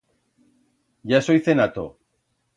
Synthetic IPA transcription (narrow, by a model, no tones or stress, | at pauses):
ʝasojθenat̪o̰